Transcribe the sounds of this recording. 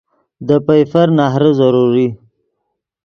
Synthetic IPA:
d̪əpajfaɾnaɦɾəzaɾuɾi

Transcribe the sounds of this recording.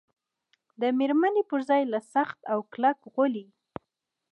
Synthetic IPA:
d̪əmeɾmanepəɾzɑjlasaxt̪awklakɣʊli

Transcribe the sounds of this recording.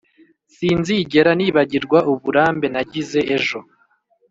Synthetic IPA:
siːnziːɟe̞ɾaniːβaɟiɾɡwaʔuβuɾaːmbe̞naɟize̞ʔeʒo̞

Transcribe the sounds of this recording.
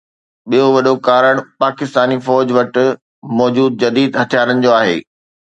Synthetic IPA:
ɓijoʋɐɗokaːɾəɽ̃paːkɪst̪aːnifɔːd͡ʑʋɐʈ̆ | mɔːd͡ʑuːd̪̚d͡ʑɐd̪iːd̪ɦɐt̪ʰijaːɾənɪ̆d͡ʑoːaːɦḛː

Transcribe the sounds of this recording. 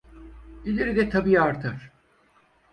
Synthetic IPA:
ilʲeɾid̪ɛt̪ʰabijaɾt̪ʰaɾ̥

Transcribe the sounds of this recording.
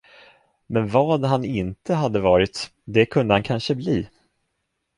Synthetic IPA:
mɛnvɑːd̪ɦanɪnt̪əɦad̪ːəvɑːɾɪt̪ | d̪ɛkʰɵnd̪əhankʰanʂəbliː

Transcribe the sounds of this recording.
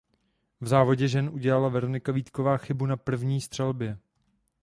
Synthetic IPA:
vzaːvo̞ɟɛʒɛnʔuɟɛlalavɛɾonɪkaviːt̪ko̞vaːxɪbunapr̩vɲiːst̪r̥ɛlbjɛ

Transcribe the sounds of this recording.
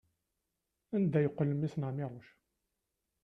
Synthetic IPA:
ænd̪æjəqːələmisnəʕmɪɾˤoʃ

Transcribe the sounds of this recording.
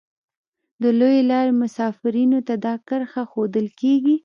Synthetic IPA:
d̪əlojelɑɾemʊsɑfɪɾinot̪ad̪ɑkəɾxaxod̪əlkeɡi

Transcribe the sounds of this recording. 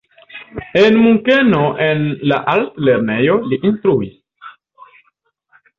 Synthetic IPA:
enmuŋkenoʔenla̰ʔaltle̞ɾne̞joliʔinst̪ɾuis

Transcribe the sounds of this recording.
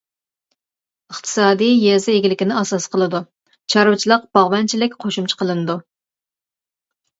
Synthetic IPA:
əχt̪ʰɨ̥sɑːd̪ijjɛzɪeɡʲilɪkʲinɪɑsɑsqʰəlˠɨd̪u | t͡ʃʰɑɾwɨt͡ʃʰilˠəqb̥ɑʁwɛnt͡ʃʰilɪkʲqʰoʃumt͡ʃʰɪ̥qʰəlˠɨnɨd̪u

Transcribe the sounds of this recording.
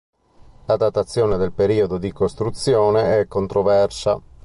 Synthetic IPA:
lad̪at̪ːat̪sːjɔːned̪elpeɾiːod̪od̪ikost̪ɾut̪sːjɔːneɛkːont̪ɾovɛrsa̰

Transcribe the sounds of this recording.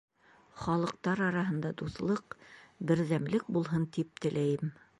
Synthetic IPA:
χɒlˠɤ̆q̚t̪ɑɾɑɾɑɦɤ̆nd̪ɑd̪uθlˠɤqbɘ̆ɾðæmlɘk̚bulˠɦɤnt̪ip̚t̪ɘ̆læjɘm

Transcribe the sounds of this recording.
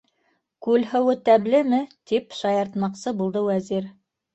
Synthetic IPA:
kʉlɦɘ̆wɘt̪æblɘmɘt̪ipʃɑjɑɾt̪mɑqsɤbulˠd̪ɤwæziɾ

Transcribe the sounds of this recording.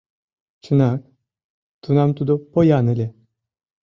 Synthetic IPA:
t͡ʃʰɯnak | t̪ʰunamt̪ud̪upojaːnɯlʲe

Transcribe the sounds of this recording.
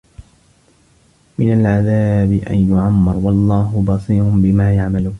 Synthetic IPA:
mɪnalʕaðaːbɪʔa̰njʊʕamːɑɾˤwɑlˤːɑːɦʊbɑsˤiːɾʊbɪmaːjaʕmaluː

